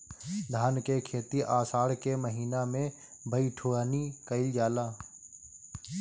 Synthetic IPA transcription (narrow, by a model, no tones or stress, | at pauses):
d̪ʱaːnkekʰeːt̪iʔaːsaːɽkeməɦiːnamẽ | bʱəiʈʰoːɽaːnikəɪld͡ʒaːlaː